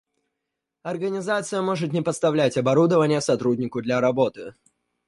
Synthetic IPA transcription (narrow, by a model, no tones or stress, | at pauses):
ɐrɡənʲɪzat̪sɨjəmo̞ʐɨt̪nʲɪpəst̪ɐvlʲætʲɐbɐɾud̪əvənʲɪjəsɐt̪ɾudʲnʲɪkʊd̪lʲɐɾɐbo̞t̪ɨ